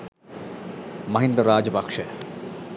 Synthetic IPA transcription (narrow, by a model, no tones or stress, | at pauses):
mɐɦĩnd̪ɾɾaːd͡ʒɐbɐkʂe